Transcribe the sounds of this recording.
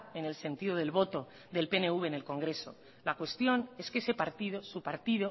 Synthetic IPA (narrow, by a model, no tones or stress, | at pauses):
ene̞lse̞nt̪iðoð̞e̞lβ̞o̞t̪o̞ | ðe̞lpe̞ne̞uβe̞ne̞lko̞ŋɡɾe̞so̞̰ | lakwe̞st̪jo̞ne̞skese̞paɾt̪iðosupaɾt̪iðo